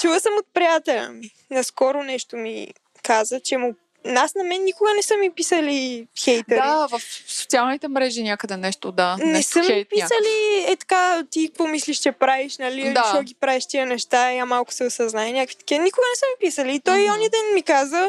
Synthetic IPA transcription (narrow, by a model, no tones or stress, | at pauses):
t͡ʃuvəsəmot̪̚pɾijat̪ɛlʲə̰mi | nɐskɔɾʊnɛʃt̪omḭ | kazət͡ʃɛmʊ | nasnɐmɛnːikʊɡənɛsəmipisəlixɛjt̪əd̪ɾivɐfso̥t̪sialˠnit̪ɛmɾɛʒinʲakəd̪ɛnɛʃt̪od̪anɛsəmipisəliɛt̪ɐ̥kat̪ik̚kvɔmisliʃt͡ʃɛpɾaviʃnɐlit͡ʃɔɡʲipɾavɛʃt̪iənɛʃt̪aamalˠkʊ̥sɛosɐznaɛnʲakkvi̥t̪ə̥kiənikʊɡənɛsəmipisəliːt̪ɔjɔnid̪ɛnmikazə